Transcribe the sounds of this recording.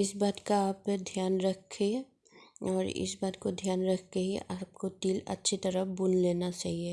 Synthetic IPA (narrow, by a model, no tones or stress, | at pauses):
ɪsbaːd̪kaaːpd̪ʱjaːnɾɐkʰːe | ɔːɾɪ̰sbaːd̪kod̪ʱjaːnɾɐkʰkeɦiaːp̚kot̪iːlɐ̰tːʃʰit̪ɐɾəbʊnleːnat͡ʃaːɦie